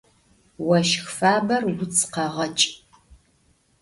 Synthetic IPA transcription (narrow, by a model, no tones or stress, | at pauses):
wɐʃxfaːbɐrwʊt͡sʰʼqɐʁɐt͡ʃʼ